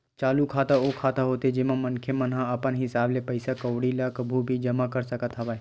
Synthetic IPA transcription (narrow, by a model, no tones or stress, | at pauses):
t͡ʃaːlukʰaːt̪aokʰaːt̪aɦoːt̪ed͡ʒɪmãmɐnkʰemənɦãɐpənɦɪsaːblepəɪsakəːɽilakəbʱubʱid͡ʒɐmakəɾsəkət̪ɦaʋaːe